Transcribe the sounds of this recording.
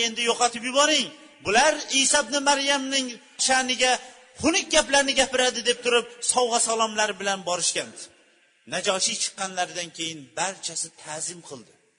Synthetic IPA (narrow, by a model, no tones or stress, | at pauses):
e̞nd̪ɪjoqɑt̪ʰɪpjʊbɒɾɪŋ | bʊlaɾisabnɪmaɾjamnɪŋ | ʃanɪɡʲa | hʊnɪk̚ʲɡʲaplaɾnɪɡʲapɪɾad̪ɪd̪e̞p̚t̪ʰʊɾɪp̚sɒwʁɑsɒlˠɒmlaɾɪbɪlanbɒɾɪʃkʲan | nad͡ʒɒʃit͡ʃʰɨ̥qːɑnlaɾd̪ankʲʰe̞jɪnbaɾt͡ʃʰasɪt̪ʰazɪmqʰɨlˠd̪ɪ